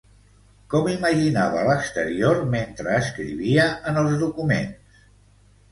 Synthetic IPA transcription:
kɔmiməʒinaβələkst̪əɾioɾment̪ɾəːskɾḭβiəʔənəlˠzðukumḛns

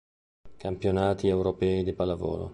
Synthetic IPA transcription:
kampjonaːt̪iewɾopɛːid̪ipalavo̰ːlo̰

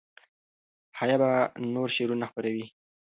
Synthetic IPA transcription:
hajabanoɾʃeɾunaxpəɾawi

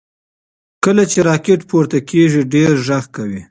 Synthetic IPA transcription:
kəlat͡ʃeɾɑkeʈpuɾt̪akeʐiɖeɾʒaɣkawi

